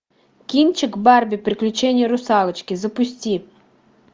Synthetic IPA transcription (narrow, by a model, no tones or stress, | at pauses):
kʲint͡ʃɪkbɑrbʲipɾɪklʲʊt͡ʃɛnʲːɐɾʊsɑlˠɐt͡ʃkʲɪzɐpʊsʲtʲi